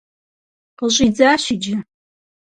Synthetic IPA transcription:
qəʑid͡zaːʃid͡ʒɪ

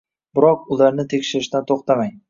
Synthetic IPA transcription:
bɪɾɒq̚ʊlaɾnɪt̪ʰe̞kʲʃɪɾɪʃd̪ant̪ʰoχt̪ʰamaŋ

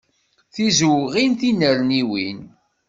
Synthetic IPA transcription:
θizwʁinθinəɾniwin

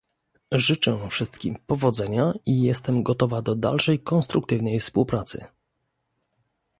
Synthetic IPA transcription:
ʐɘt͡ʂɛfʂɘst̪kʲimpɔvɔd̪zɛɲaijɛst̪ɛmɡɔt̪ɔvad̪ɔd̪a̰lʂɛjkɔnst̪ɾuk̚t̪ɘvnɛjfspuwpɾat̪sɘ̰

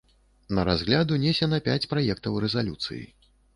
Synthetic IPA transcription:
nɐɾazɣlʲad̪unʲesʲɛnɐpʲat͡sʲpɾajɛkt̪ɐwɾɛzalʲut̪sɨ̰jḭ

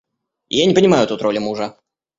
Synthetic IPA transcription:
janʲɪpənʲɪmajʊt̪ut̪ɾolʲɪmuʐə

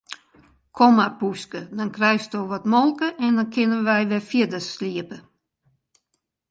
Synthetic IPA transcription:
kʰomapuskədɔnkrɛjstoʋɔtmɔlˠkəʔɛndɔnkɪnənʋɛjʋɛfjɪdəsliəpə

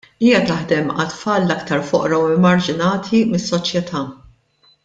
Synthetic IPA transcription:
iːjɐt̪ɐħd̪ɛmɐt̪fɐːlːɐkt̪ɐɾfɔʔɾɐwɛmːɐɾd͡ʒɪnɐːt̪ʰimɪsːɔt͡ʃjɛt̪ʰɐː

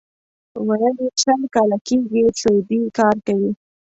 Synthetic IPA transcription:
wajəliʃəlkɑlakeɡit͡ɬojb̪ikɑɾkawi

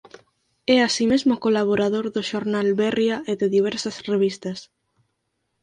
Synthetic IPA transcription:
ɛasimezmʊkolaβ̞oɾaðoɾðʊʃoɾnalβɛrjaeðɪðiβ̞ɛɾsɐsreβ̞ist̪ɐs

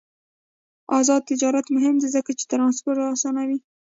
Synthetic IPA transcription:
ɑzɑd̪̚t̪ɪd͡ʒɑɾat̪mʊɦɪmd̪azəkat͡ʃe̥t̪ɾɑnspʊɾt̪ɑsɑnawi

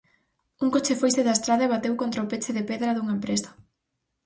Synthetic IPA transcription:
uŋkot͡ʃefojst̪eðast̪ɾaðaeβat̪ewkont̪ɾaopet͡ʃeðepeðɾɐðuŋampɾest̪o̥

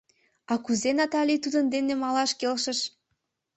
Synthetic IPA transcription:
ɑkuzenɑt̪ɑlʲit̪ud̪ənd̪enemɑlɑʃkelʃə̆ʃ

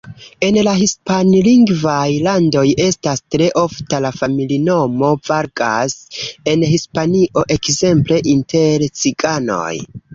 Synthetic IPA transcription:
e̞nlahispanliŋɡvajlando̞je̞stastɾe̞ʔo̞ftalafamilino̞mo̞vaɾɡa̰se̞nɦispaniʔo̞ʔe̞kze̞mple̞ʔintʰe̞ɾt͡sikano̞̰j

